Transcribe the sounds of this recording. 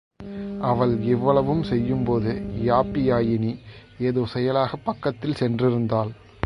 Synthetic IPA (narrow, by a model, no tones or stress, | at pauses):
ɐʋɐɭɛʋːɐɭɐʋɯmsɛjːɯmpoːðɯjaːpːɪjaːjɪnieːðoːsɛjɐlaːɣɐpːɐkːɐt̪ːɪlsɛndrɪɾɯnd̪aːl